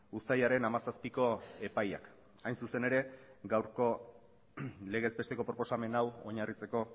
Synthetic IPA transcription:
usajaɾe̞namasaspiko̞e̞paja̰k | ajnsuse̞ne̞ɾe̞ɡawɾko̞ | le̞ɣe̞zbe̞st̪e̞ko̞pɾo̞po̞same̞nawo̞ɲarit͡se̞ko̞

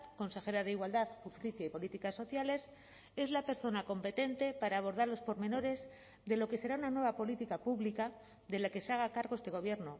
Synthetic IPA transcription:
ko̞nse̞xe̞ɾaðeiɣwald̪aðxust̪iθjaipo̞lit̪ikasːo̞θjale̞s | e̞zlape̞ɾso̞nako̞mpe̞t̪e̞nt̪e̞paɾaːβ̞o̞ɾðaɾalo̞spo̞ɾme̞no̞ɾe̞z | ðe̞lo̞ke̞se̞ɾaunanwe̞β̞apo̞lit̪ikapuβlika | ðe̞lake̞saɣakaɾɣ̞o̞est̪e̞ɣ̞o̞βje̞ɾno

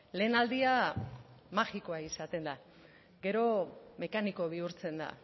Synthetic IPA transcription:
le̞ːnald̪ia | maxiko̞aisat̪e̞nd̪a | ɡe̞ɾo̞me̞kaniko̞β̞iuɾt͡se̞nd̪a̰

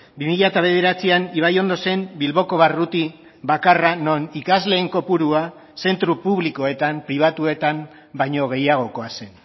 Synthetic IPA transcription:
bimiʎat̪aβ̞e̞ð̞e̞ɾat͡sianiβ̞ajo̞nd̪o̞se̞mbilβo̞ko̞β̞arut̪i | βakarano̞nikazle̞ːŋko̞puɾua | se̞nt̪ɾupuβ̞liko̞e̞t̪ampɾiβ̞at̪ue̞t̪am | baɲo̞ɣ̞e̞jaɣ̞o̞ko̞ase̞n

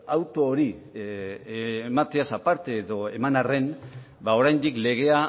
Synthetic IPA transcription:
awt̪o̞ːɾi | mat̪e̞asapaɾt̪eːðo̞e̞manare̞n | bao̞ɾajnd̪ikle̞ɣ̞e̞a

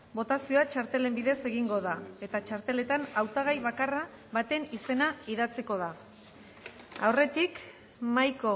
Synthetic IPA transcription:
bo̞t̪asio̞at͡ʃaɾt̪e̞le̞mbiðe̞se̞ɣiŋɡo̞ðae̞t̪at͡ʃaɾt̪e̞le̞t̪anawt̪aɣ̞ajβakara | βat̪e̞nise̞naiðat͡siko̞ð̞a | a̰wre̞t̪ik | majko̞

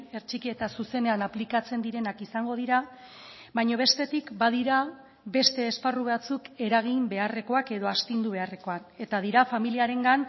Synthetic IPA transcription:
e̞ɾt͡ʃikie̞t̪asuse̞ne̞anaplikat͡se̞nd̪iɾe̞nakisaŋɡo̞ð̞iɾa | βajɲoβ̞e̞st̪e̞t̪ikbað̞iɾa | be̞st̪e̞ːsparuβat͡suke̞ɾaɣ̞imbe̞are̞ko̞ake̞ðo̞ast̪ind̪uβe̞are̞ko̞ane̞t̪að̞iɾafamiliaɾe̞ŋɡan

